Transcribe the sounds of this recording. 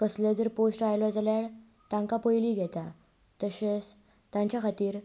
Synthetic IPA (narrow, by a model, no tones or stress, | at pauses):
kəsled̪əɾposʈajlɔd͡zaljaɭ | t̪ãŋkapojliːɡʱɛt̪a | t̪əɕe | t̪ãɲt͡ɕjakʰat̪iːɾ